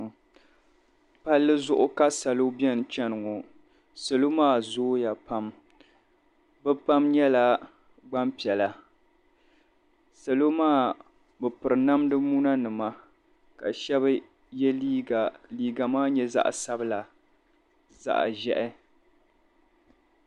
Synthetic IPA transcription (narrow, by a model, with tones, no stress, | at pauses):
pa˦lːɨ˦zʊ˦ʔʊ˦ka˦sa˨lo˦bjɛ˦n˨t͡ʃɛ˦nɨ˨ŋo˨ | sa˨lo˦maː˦˨zoː˦ja˨pa˦m | bɛ˦pa˦mɲɛ˦la˨ | ɡ͡ba˦mpi˨ɛ˨la˨ | sa˨lo˦maː˦˨ | bɨ˨pɨ˨ɾɨ˨na˦mdɨ˦mu˦na˦nɨ˨ma˦ | ka˨ʃɛ˦b | jɛ˦li˦a˨liː˨ɡa˨maː˦ɲɛ˦za̰˦ʔsa˦bɨ˦la˨ | za̰˨ʔʒɛ˦ʔɪ˦